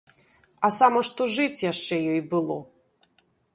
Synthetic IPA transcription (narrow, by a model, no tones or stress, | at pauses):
ɐsamɐʂt̪ɔʐɨt͡sʲjaʂt͡ʂɛjɔjbɨlˠɔ